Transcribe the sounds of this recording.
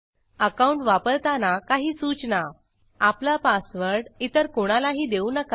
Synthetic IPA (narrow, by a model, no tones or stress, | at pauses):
əkauɳʈʋapəɾt̪anakaɦiːsut͡ɕna | aplapasʋəɾɽit̪əɾkoɽ̃alaɦiːd̪eunəka